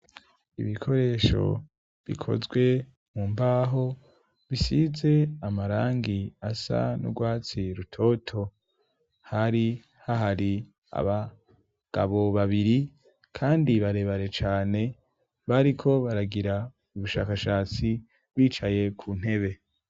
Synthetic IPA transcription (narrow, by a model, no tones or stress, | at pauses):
ḭβikʰo̞ɾe̞ːʃo̞̰ | βḭkʰo̰zɡwe̞ | muːmbaːɦo̞ | βisize̞amaɾaːŋɡiasa̰nṵɡwaːt͡siɾutʰo̞ːtʰo̞ | haɾi | haɦaɾi | a̰βa | ɡ̥a̰βo̞βaβiɾi | kʰaːndiβaɾe̞βaɾe̞t͡ʃaːne̞ | βaɾikʰo̞βaɾaɡiɾa | uβuʃa̰ːkaʃaːt͡si | βwiːt͡ʃaje̞kʰuːn̥he̞βe̞